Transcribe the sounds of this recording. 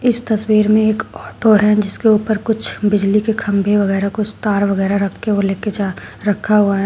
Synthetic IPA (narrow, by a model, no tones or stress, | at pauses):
ɪst̪ɐswiːɾmẽeːkɔːʈoɦɛd͡ʒɪskeuːpəɾkʊt͡ʃʰbɪd͡ʒlikekʰɐ̃mbʱeʋɐɣɛːɾakʊt͡ʃʰt̪aːɾʋɐɣɛːɾaɾɐkʰkeoleːked͡ʒaɾɐkʰːaɦuaɦɛ